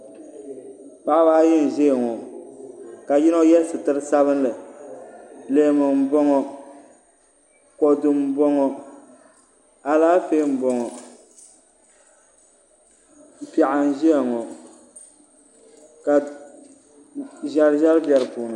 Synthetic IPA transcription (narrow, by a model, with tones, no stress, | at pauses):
pa˦ʔbaː˦jɛ˦n̩˨ʒe˦˨ŋɔ˨ | ka˨jɪ˦nɔ˦jɛ˦sɨ˨tɨ˦ɾɨ˦sa˦βɨ˦n˦lɨ˨ | le˨˦˨mɨ˨m̩˨bɔ˦ŋɔ˦ | kɔ˨dɨ˨m˦bɔ˦ŋɔ˦ | a˨laː˦fe˦m̩˨bɔ˨ŋɔ˨ | pɛ˨ʔa˨n˦ʒi˦a˨ŋɔ˨ | ka˨ | ʒa˦ɾʒɛ˦ɾbjɛ˨ɾɨ˨puː˨nɨ˨